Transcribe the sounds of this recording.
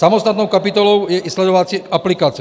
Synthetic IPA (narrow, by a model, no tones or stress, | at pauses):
samɔst̪at̪nɔʊkapit̪ɔlɔʊjɛʔislɛd̪ɔʋat͡sɪɛkaplikaːt͡si